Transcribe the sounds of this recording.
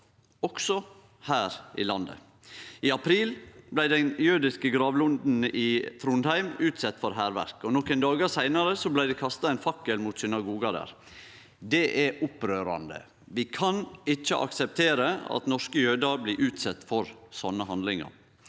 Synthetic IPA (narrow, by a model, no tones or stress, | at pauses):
ɔksɔ | hæːɾʔɪ̰lɑnd̪ə̰ | ɪɑpʰɾiːlblæɪd̪ɛnjøːd̪ɪskəɡɾɑːʋlʊnd̪n̩ɪt̪ʰɾuːnhæɪmʉːt̪sɛt̪ːfɔɾɦæːɾʋæ̰ɾkɔnɔkːɛnd̪ɑːɡɑsæɪnɑɾəsɔblæɪd̪ɛkʰɑst̪ɑɛɪnfɑkːəlmuːt̪sinɑɡuːɡɑd̪æ̰ːɾ | d̪ɛʔɛʔʊpɾøːɾɑ̰nd̪ə̰ | ʋɪkʰɑnɪt͡ʃːəʔɑ̰ksɛp̚t̪ʰeːɾəɑ̰t̪nɔʂkəjøːd̪ɑbliːʔʉːt̪sɛt̪ːfɔɾsɔnːəɦɑnd̪lɪŋɑ̰ɾ